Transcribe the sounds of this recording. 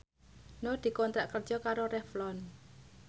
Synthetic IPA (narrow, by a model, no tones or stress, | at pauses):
nod̪̥i̤kɔnt̪ɾaʔkərd͡ʒ̥ɔkaɾoɾɛflɔn